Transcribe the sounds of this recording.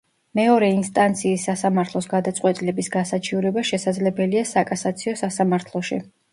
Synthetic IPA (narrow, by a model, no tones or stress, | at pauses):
mɛɔɾɛinst̪ʼant̪sʰiːsːasamaɾt̪ʰlˠɔsɡad̪at̪sʼqʼwɛt̪ʼilɛbisɡasat͡ʃʰiuɾɛbaʃɛsad̪zlɛbɛliasakʼasat̪sʰiɔsasamaɾt̪ʰlˠɔʃḭ